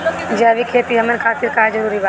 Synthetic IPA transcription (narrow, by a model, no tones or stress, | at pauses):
d͡ʒaʋikʰeːt̪iɦɐmənkʰaːt̪ɪɾkaːzɐɾuːɾibaː